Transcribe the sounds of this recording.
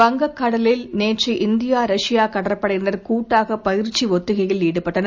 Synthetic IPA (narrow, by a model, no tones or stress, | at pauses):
pɐŋɡɐkːɐɽɐlɪlneːʈriʔɪnd̪ɪjaːɾɐʂɪjaːkɐɽɐɾɐpːɐɽɐnɐɾkuːʈːaːɣɐpɐjɪɾt͡ʃːiʋɔt̪ːɪɣɐjɪlniːɽɯpɐʈːɐnɐ